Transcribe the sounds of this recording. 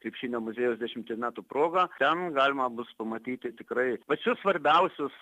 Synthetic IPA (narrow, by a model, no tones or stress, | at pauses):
kɾʲɪpʲʃʲiːnʲoːmʊzʲeːjɛʊsd̪ʲɛʃʲɪmt̪ʲemʲæːt̪uproːɡɑt̪ʲɛnɡɑːlʲɪmɐbʊspɐmɐt̪ʲiːt̪ʲɪt̪ʲɪkɾɐɪpɐt͡ʃʲʊsʋɐɾʲbʲɛʊsʲʊs